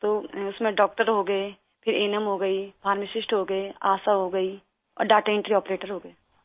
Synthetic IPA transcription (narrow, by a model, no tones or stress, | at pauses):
t̪oːʊsmẽɖɔːk̚ʈəɾɦoɡɐe | pʰɪɾeːnəmɦoɡɐibʱaːɾmɪʃɪʃʈɦoːɡɐeaːsaɦoɡɐi | ɔ̰ːɾɖaːʈeɪ̃ɳʈɾiɔːpɾeːʈəɾɦoːɡɐe